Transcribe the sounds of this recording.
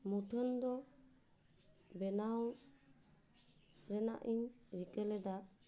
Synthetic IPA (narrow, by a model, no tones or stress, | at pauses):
muʈʰɔnd̪ɔ | bɛnaw | ɾɛna̰ʔiɲɾikʼɛlɛd̪a